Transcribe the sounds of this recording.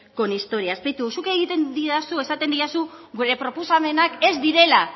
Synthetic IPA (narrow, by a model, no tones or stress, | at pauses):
ko̞nist̪o̞ɾiaespejt̪usukeɣ̞it̪e̞nd̪iasue̞sat̪e̞nd̪iasuɡuɾe̞pɾo̞posame̞nake̞zd̪iɾe̞la